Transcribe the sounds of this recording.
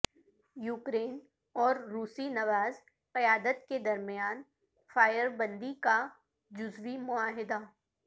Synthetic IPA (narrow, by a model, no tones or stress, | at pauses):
juːkɾeːn | ɔːɾːuːsinɐʋaːz | qɪjaːd̪ət̪ked̪ɐɾmɪjaːn | faːjəɾbɐ̃nd̪ika | d͡ʒʊzʋimʊaːɦɪd̪a